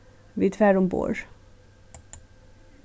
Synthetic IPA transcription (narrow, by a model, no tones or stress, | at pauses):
ʋiːd̪fæɾʊmbo̰ːɹ